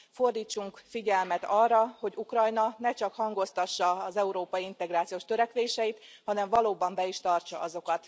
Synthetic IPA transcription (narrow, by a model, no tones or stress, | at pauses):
fo̞rd̪iːt͡ʃːuŋkfiɟɛlmɛt̪ɒrːɒho̞ɟukrɒjnɒnɛt͡ʃɒkhɒŋɡo̞st̪ɒʃːɒːzɛuɾoːpɒjiint̪ɛɡɾaːt̪sijoːʃt̪øɾɛkʋeːʃɛit̪hɒnɛɱvɒloːbɒmbɛiʃt̪ɒrt͡ʃɒɒzo̞kɒt̪